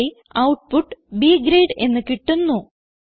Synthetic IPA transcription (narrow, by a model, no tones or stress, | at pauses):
i | ɐwʈ̚puʈːɨbiːɡɾeːɖe̞nːɨkiʈːunːu